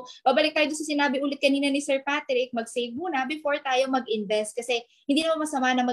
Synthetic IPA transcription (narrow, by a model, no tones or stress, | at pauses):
babɐlɪk̚t̪aːjod̪ʊnsɐsɪnaːbɪʔuːlɪt̪̚kɐniːnɐnɪsɛɹpat̪ɾɪk̚mɐɡsejvmuːnɐbɪfo̞ɹt̪aːjo̞mɐɡʔɪnvɛst̪̚kɐsɛ | hɪnd̪iːnɐmanmɐsɐmaːʔɐnɐŋmɐ